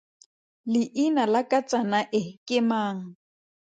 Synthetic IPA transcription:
lɪʔinalakʼat͡sʼanaʔɪkʼɪmaːŋ̩

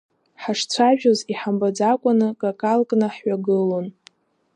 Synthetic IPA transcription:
ħaʂt͡sʷʰaʒᶣoziħambad͡zakʷʼanɨkʼakʼalkʼnɨħɥaɡɨlon

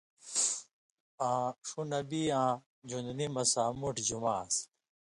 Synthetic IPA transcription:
ãːʂunəbiːãː | d͡ʑũnd̪nimɐsaːmuʈʰd͡ʑumaːs

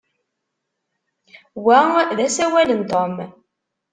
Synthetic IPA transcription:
wæðæsæwælənt̪ˤom

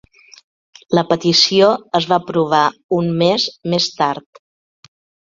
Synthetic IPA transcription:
ləpət̪isioəzβapɾuβ̞aumːezmest̪aɾt̪

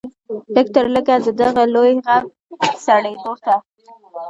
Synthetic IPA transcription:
lək̚t̪əɾləɡad̪əd̪aɣalojɣam | saɽed̪ot̪a

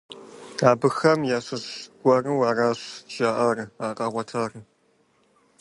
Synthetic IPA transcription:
aːbɨxɐmjaːɕʷɨɕɡʷɐrɨwaːraːɕʒ̥aːʔɐrɨaːqʼɑːʁʷɐtʰaːrɨ

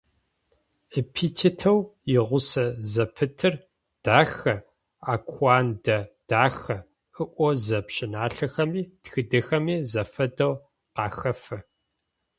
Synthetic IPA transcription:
epʰiːtʰitʰɐwjɪʁʷʊsɐzɐpʰɨtʰɨr | d̥aːxɐ | aːkʷʰɑːndɐd̥aːxɐ | ɨʔʷɔzɐpɕɪnaːɬɐxɐmiːtxɨdɨxɐmiːzɐfɐdɐw | qɑːxɐfɐ

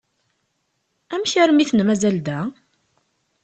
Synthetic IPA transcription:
æmçæɾmiθnmæzæld̪æ

